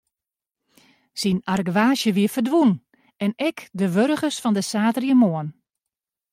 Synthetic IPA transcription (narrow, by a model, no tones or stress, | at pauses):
sinarɡʋaːʃjəʋiəfərdʋun | ɛnɛkdəʋøɾəɣəsfɔndəsaːtrjiəmoən